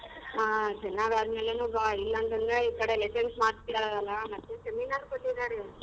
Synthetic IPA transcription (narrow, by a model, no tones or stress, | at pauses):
aːt͡ʃɛnːaːɡaːd̪meːlenuːbailːɐnt̪ɐnd̪ɾeikɐɽelesɐnsmaːɽt̪iɾaɐlːɐmɐt̪ːeseminaːɾkoʈːid̪aːɾe